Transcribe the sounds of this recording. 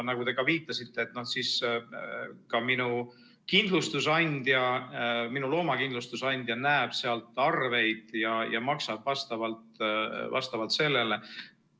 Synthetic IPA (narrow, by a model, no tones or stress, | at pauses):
nɑɡut̪e̞kɑviːt̪ːˑɑsit̪ˑːe̞ːt̪no̞hsiːs | kɑminu | kind̪̥lust̪usɑnʲd̪̥jɑminulo̞ːmɑkind̪lust̪usɑnʲd̪̥jɑnæːb̥seɑlt̪ːˑɑrve̞jd̪̥jɑjɑ̰mɑksɑb̥vɑst̪ɑvɑlt̪vɑ̰st̪ɑvɑlt̪se̞lːe̞le̞